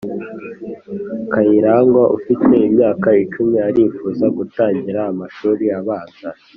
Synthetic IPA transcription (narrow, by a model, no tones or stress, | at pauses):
kajiɾaːŋɡwaʔṵfite̞imɲaːkait͡ʃumɲiaɾifuːzaɡutaːɲɟiɾaːmaʃuːɾiaβaːza